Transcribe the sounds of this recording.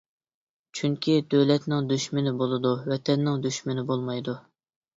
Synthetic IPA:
t͡ʃʰyŋkʲʰid̪øwlɛt̪nɪŋd̪yʃmɪnɪbolˠɨd̪uwɛt̪ʰɛnːɪŋd̪yʃmɪnɪbolˠmɑjd̪u

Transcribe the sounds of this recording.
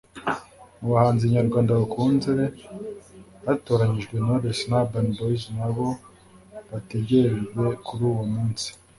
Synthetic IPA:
muβahaːnziβaɲaɾɡwaːndaβukʰuːnziɾe̞ | βato̞ːɾaɲiʒɡwe̞naoɾesnabanboiznaβo̞ | βate̞ɟe̞ɾeʒɡwe̞kuɾuːwomuːnsi̥

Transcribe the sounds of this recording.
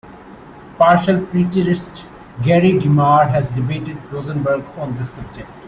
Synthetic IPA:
paːɾʃəlpɾiːʈəɾɪsʈ | ɡɛːɾiɡɪmaːɾɦɛzɖɪbeːʈɪɖ̚ɾoːzə̃nbəɾɡɔ̃ːnd̪əsʌb̚d͡ʒek̚ʈ

